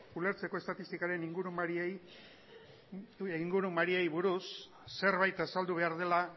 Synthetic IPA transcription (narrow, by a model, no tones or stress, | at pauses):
ule̞ɾt͡se̞ko̞e̞st̪at̪ist̪ikaɾe̞niŋɡuɾumaɾie | iŋɡuɾumaɾiejβuɾusː | e̞ɾβajt̪asald̪uβe̞aɾð̞e̞la